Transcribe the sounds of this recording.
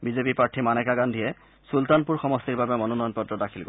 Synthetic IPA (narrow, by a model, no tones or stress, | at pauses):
bizepipɹaɹtʰimanɛkaɡandʱijɛ | sultanpuɹxɔmɔstiɹbabɛmɔnɔnɔjɔnpɔtɹɔdakʰilɡo̰